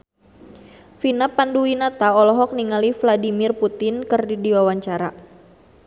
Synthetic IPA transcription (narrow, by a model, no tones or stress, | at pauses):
finapanduwinat̪aɔlɔɦɔk̚niŋalifladimɪrput̪ɪnkɨrdidiwawaɲt͡ʃaɾa